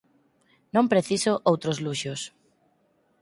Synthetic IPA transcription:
nõmpɾeθisoʔowt̪ɾozluʃos

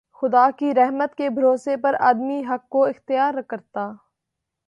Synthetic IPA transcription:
xʊd̪aːkiɾɛɦmət̪kebʱɐɾoːsepɐɾa̰ːd̪miɦɐkːoɪxt̪ɪjaːɾɐkəɾt̪aː

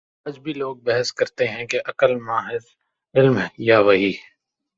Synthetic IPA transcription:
ɐd͡ʒbʱiloːɡ̚bɛɦəskɐɾt̪eɦɛ̃keʔɐkəlmaːɦɪz | ɪlmɦɛjaʋɐɦiː

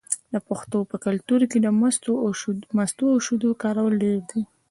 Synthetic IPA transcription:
d̪əpaxt̪opəkalt̪uɾked̪əmst̪omast̪oawʃud̪okɑɾawəlɖeɾd̪i

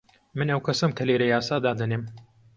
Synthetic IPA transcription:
mɨnɐwkʰɐsɐmkʰɐleːɾɐjaːsaːd̪aːd̪ɐneːm

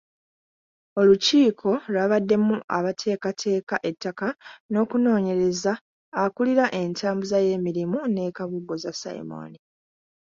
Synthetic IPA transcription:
o̞luciːkʰo̞lwaːβadːe̞muʔa̰βatʰe̞ːkatʰe̞ːkaʔe̞tːakano̞ːkuno̞ːɲe̞ɾe̞zaː | kuliɾaʔe̞ntaːmbuzaje̞ːmiɾimune̞ːkaβuɡo̞zasa̰ḭmo̰ni

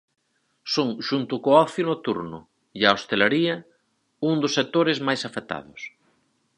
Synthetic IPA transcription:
soŋʃunt̪ʊkoɔθjʊnot̪ṵɾnʊ̰ | jaost̪elaɾiɐ | uŋd̪ʊsːek̚t̪oɾezmajsafet̪a̰ðʊs

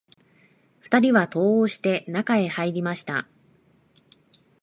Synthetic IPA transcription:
ɸɯ̟̥t̪aɾʲiβat̪o̞ːoɕi̥t̪e̞nakae̞haiɾʲimaɕi̥t̪a̰

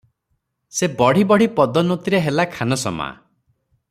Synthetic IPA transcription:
sebɔɽ̤ibɔɽ̤ipɔd̪ɔnot̪iɾeɦelakʰanɔsɔ̰ma̰

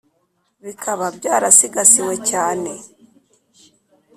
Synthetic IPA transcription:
βikʰaβabɟaːɾasiɡasiwe̞caːne̞

